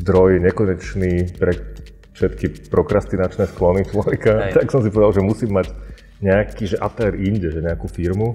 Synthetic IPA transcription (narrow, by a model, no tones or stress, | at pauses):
zd̪ɾɔjɲɛkɔɲɛt͡ʃnipɾɛ | fʃɛt̪kipɾɔkɾast̪inat͡ʃnɛsklɔnit͡ʃlɔʋɛkat̪aksɔmsipɔʋɛd̪alʒɛmusiːmːaɟ | ɲɛakiʒɛʔat̪ɛːɾiɲɟɛʒɛɲɛakufiɾmu